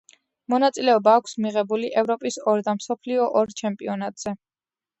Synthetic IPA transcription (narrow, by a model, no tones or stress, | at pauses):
mɔnat̪sʼilɛɔbaːkʷʰsmiʁɛbuliʔɛvɾɔpʼisɔɾd̪amsɔpʰliɔʔɔɾt͡ʃʰɛmpʼiɔnat̪ʼz̥ɛ